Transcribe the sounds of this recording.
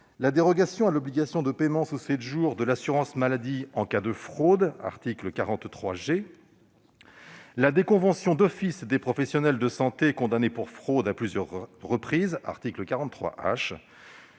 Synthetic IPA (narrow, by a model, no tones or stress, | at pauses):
lad̪eʁɔɡasjɔ̃alɔbliɡasjɔ̃d̪əpɛmɑ̃susɛt̪ʒuʁd̪əlasyʁɑ̃smalad̪iɑ̃kad̪əfχod̪a̰ʁt̪ikləkaʁɑ̃t̪ːχwaʒe | lad̪ekɔ̃vɑ̃sjɔ̃d̪ɔfisd̪epχɔfɛsjɔnɛld̪əsɑ̃t̪ekɔ̃d̪anepuʁfχod̪aplyzjœʁːəpχiza̰ʁt̪ikləkaʁɑ̃t̪ːχwa̰ʔa̰ʃ